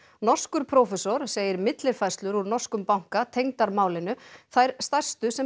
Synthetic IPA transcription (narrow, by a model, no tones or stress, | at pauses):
nɔr̥skʏɾ̥pʰɾɔːfɛsɔɾ̥seːjɪɾmɪt̪lɪɾ̥fajst̪lʏɾuɾnɔr̥skʏmpawŋ̥kat̪ʰejŋt̪aɾmaːwlɪnʏθajɾ̥st̪ajr̥st̪ʏsɛ